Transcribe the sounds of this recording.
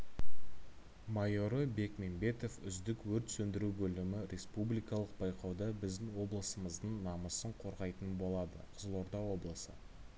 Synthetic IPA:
mɑjo̞ɾəbe̞kme̞nbe̞t̪o̞fʏ̰zd̪ɪkwɵɾt̪sɵnd̪ɪɾubɵlɪmɪɾʲe̞spublʲijkɑlˠəq̚b̥ɑjqɑwd̪ɑbɪzd̪ɪnwo̞blˠəsəməzd̪əɴnɑməsəɴqʰo̞ɾʁɑjt̪ənbo̞lˠɑd̪ə̰qʰə̥zəlˠo̞ɾd̪ɑwo̞blˠəsə

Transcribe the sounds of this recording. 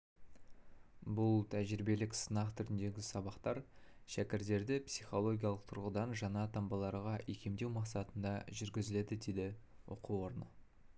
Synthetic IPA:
bʊlˠt̪ʰæʒɪɾɪbe̞lɪksənɑqt̪ʰʏɾɪnd̪e̞ɡʲɪsɑbɑqt̪ɑɾʃækʲɪɾt̪e̞ɾd̪ɪpsijχo̞lˠo̞ɡʲijɑlˠəq̚t̪ʰʊɾʁəd̪ɑnʒɑɴɑt̪ʰɑmbɑlˠɑɾʁɑʔekʲʰe̞md̪e̞wmɑqsɑt̪ənd̪ɑʒʏɾɡʲɪzɪle̞d̪ɪd̪e̞jd̪ɪ | wo̰quwo̞ɾənə

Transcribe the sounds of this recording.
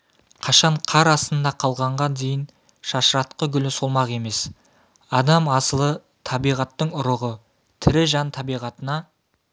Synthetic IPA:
qʰɑʃɑɴqʰɑɾɑst̪ənd̪ɑqʰɑlˠʁɑɴʁɑnd̪e̞jɪn | ʃɑʃəɾɑt̪qəɡʲʏlɪsolˠmɑqe̞me̞s | ɑd̪ɑmɑsəlˠə | t̪ʰɑbijʁɑt̪ːəɴʊɾəʁə | t̪ʰɪɾɪʒɑnt̪ʰɑbijʁɑt̪ənɑ

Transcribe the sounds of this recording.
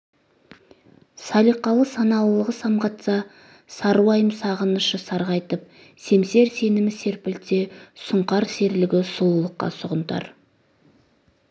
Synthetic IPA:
sɑlˠijqːɑlˠəsɑnɑlˠəlˠəʁəsɑmʁɑt̪sɑ | sɑɾuwɑjəmsɑʁənəʃəsɑɾʁɑjt̪əp̚ | se̞mse̞ɾse̞nɪmɪse̞ɾpɪlt̪e̞sʊɴqɑɾse̞ɾlɪɡʲɪsulˠəlˠəqːɑ̰sʊʁənt̪ɑ̰ɾ

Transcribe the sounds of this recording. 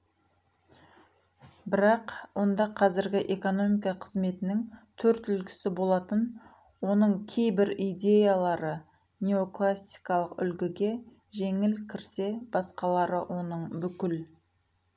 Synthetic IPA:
bɪɾɑqwo̞nd̪ɑqʰɑzɪɾɡʲɪʔe̞ko̞no̞mijkɑqʰəzme̞t̪ɪnɪŋt̪ʰɵɾt̪ʏlkʲɪ̥sɪbo̞lˠɑt̪ən | wo̞nəɴkʲʰe̞jbɪɾijd̪e̞jalˠɑɾə | nʲe̞o̞klˠasi̥jkɑlˠəqʏ̰lɡʲɪɡʲe̞ | ʒe̞ŋɪlkʲʰɪɾse̞b̥ɑsqɑlˠɑɾəwʔo̞nəɴbʏkʲɪl

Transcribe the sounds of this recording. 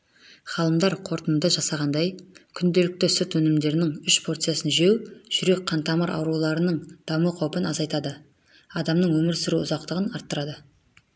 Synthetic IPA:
χɑlˠəmd̪ɑɾqʰo̞ɾt̪ənd̪əʒɑsɑʁɑnd̪ɑjkʲʰʏnd̪e̞lɪk̚t̪ɪsʊt̪wɵnɪmd̪e̞ɾɪnɪŋʏʃpʰo̞ɾt̪sjasənʒewʒ̥ʏɾe̞k̚ʲqʰɑnt̪ɑmɑɾʔɑ̰wɾulˠɑɾənəɴd̪̥ɑməqʰɑwpənɑzɑjt̪ɑd̪ə | ɑd̪ɑmnəɴwɵmɪɾsɪɾuʊzɑqt̪əʁənɑɾt̪ːəɾɑd̪ə

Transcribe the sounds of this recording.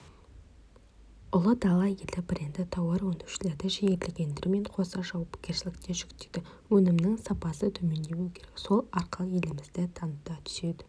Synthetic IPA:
ʊlˠəd̪ɑlˠɑjelɪbɪɾend̪ɪt̪ʰɑwɑɾwond̪ewʃɪle̞ɾd̪ɪʒejeɾlɪɡʲe̞nd̪ɪɾɪme̞ɴqʰo̞sɑʒɑwɑpkʲe̞ɾʃɪlɪkt̪e̞ʒʏkt̪ejd̪̥ɪwɵnɪmnɪŋsɑpɑsət̪ʰɵme̞nd̪ewukʲʰe̞ɾekso̞lˠɑɾqʰɑlˠje̞lɪmɪzd̪ɪt̪ʰɑnd̪ɑt̪ʰʏ̥se̞d̪ɪ̥

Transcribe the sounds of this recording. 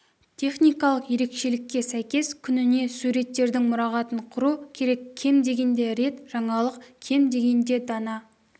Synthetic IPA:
t̪ʲʰe̞χnijkɑlˠəqje̞ɾe̞kʃe̞lɪkʲːe̞sæjkʲe̞skʲʰʏnɪne̞suɾe̞t̪ːe̞ɾd̪ɪŋmʊɾɑʁɑt̪əɴqʰʊɾukʲʰe̞ɾe̞kʲʰːe̞md̪e̞ɡʲe̞nd̪e̞ɾe̞t̪ʒ̥ɑɴɑlˠəqkʲʰe̞md̪e̞ɡʲe̞nd̪e̞d̪ɑnɑ

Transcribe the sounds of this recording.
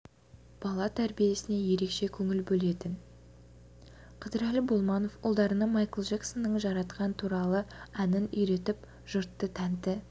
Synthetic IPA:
b̥ɑlˠɑt̪ʰæɾbije̞sɪne̞je̞ɾe̞kʃe̞kʲʰɵŋɪlbɵle̞t̪ɪn | qʰəd̪əɾælɪbolˠmɑno̞fʊ̰lˠd̪ɑɾənɑmɑjkəlˠʒeksonːəɴʒɑɾɑt̪qɑnt̪ʰuɾɑlˠəænɪnʏjɾe̞t̪ɪp | ʒ̥ʊɾt̪ːət̪ʰænd̪ɪ

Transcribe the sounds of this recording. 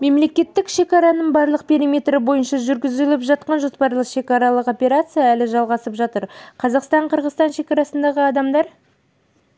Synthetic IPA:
me̞mle̞kʲe̞t̪ːɪkʃe̞kɑɾɑnəɴbɑɾlˠəq̚pʰʲe̞ɾimʲe̞t̪ɾɪbo̞jənʃɑʒʏɾɡʲɪzɪlɪpʒɑt̪qɑnʒospɑɾlˠəqʃe̞kɑɾɑlˠəqo̞pʲe̞ɾat̪sɨjaælɪʒɑlˠʁɑsəpʒɑt̪əɾqʰɑzɑqst̪ɑɴqʰəɾʁəzt̪ɑnʃe̞kɑɾɑsənd̪ɑʁəɑd̪ɑmd̪ɑɾ

